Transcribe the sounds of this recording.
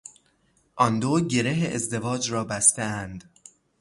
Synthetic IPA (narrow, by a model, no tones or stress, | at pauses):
ʔɒnd̪oːɟe̞ɾeɦeʔezd̪e̞vɒːd͡ʒɾɒːbæst̪eænd̪